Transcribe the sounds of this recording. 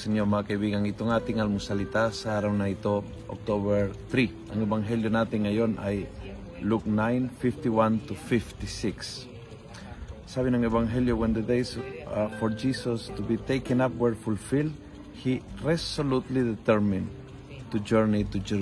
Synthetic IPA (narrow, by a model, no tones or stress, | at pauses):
seɲomakeβiɣãŋit̪oŋat̪ĩŋalmusalit̪asaɾaunajt̪o | o̰k̚t̪oβeɾθɾi | ãŋeβãŋɦeljonat̪ĩŋajõna̰j | luknãjnfift̪iwãnt̪ufift̪isiks | saβĩnãŋeβãŋɦeljowẽnd̪ed̪ejsfoɾd͡ʒisost̪ubit̪ejkẽnapwɛɾfulfild̪ | hiresolut̪liðet̪ɛɾmĩn | t̪ud͡ʒɛɾnit̪ud͡ʒɛ